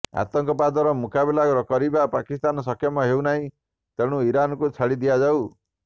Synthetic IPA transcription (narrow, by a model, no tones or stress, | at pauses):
a̰t̪ɔŋkɔpad̪ɔɾɔmukabelakɔɾɔkɔɾibapakist̪anɔs̬ɔkʰjɔmɔɦewnaɦĩ | t̪eɽ̃uiɾanɔkut͡ʃʰaɽid̪iad͡ʒaw